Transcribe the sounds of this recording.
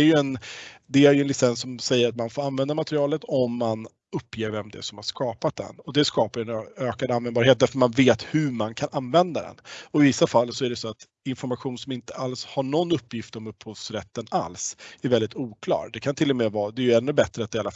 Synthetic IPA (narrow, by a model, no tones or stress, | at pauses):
æɾjɵɛnd̪ɛæɾjɵɛnlɪsɛnsːɔmsɛjːəɾat̪manfoːɾanvɛnd̪amat̪ɾɪɑːlət̪ʰɔmːan | ɵpːjeːvɛmd̪ɛ̰sɔmhaʂkɑːpat̪̚d̪ɛ̰nɔd̪ɛskɑːpaɾjɛnøːkad̪anvɛnbɑːɾheːt̪̚d̪æɾfœtmanveːt̪hʉmankʰanʔanvɛnd̪ad̪ɛ̰nɔɪvɪsːafalːsɔæɖɛsɔat̪ | ɪnfɔɾmaɧuːnsɔmɪnt̪əalshaɳɔnːɵpːjɪft̪ɔmɵpːhɔvsɾɛt̪ːəna̰lsæɾvɛld̪ɪt̪uːkʰlɑ̰ːɾd̪ɛkʰant̪ʰɪlːɔmeːvɑːd̪ɛjɵɛnːɵbɛt̪ɾəat̪d̪ɪala